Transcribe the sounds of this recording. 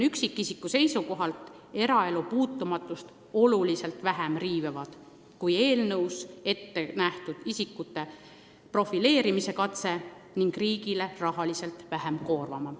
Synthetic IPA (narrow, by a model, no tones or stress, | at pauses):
yksikˑːisikːˑuse̞jsuko̞ɦɑlt̪ˑ | e̞ɾɑe̞lupuːt̪ːumɑt̪ːˑust̪ | o̞lulise̞lt̪væɦemriːvevɑd̪̥ | kuje̞ːlnɤwse̞t̪ːe̞næht̪ud̪̥isikːˑut̪ːˑe̞ | pro̞file̞ːɾimise̞kɑt̪se̞ | niŋɡ̥riːɡile̞rɑɦɑlise̞lt̪væɦemko̞ːrvɑmɑ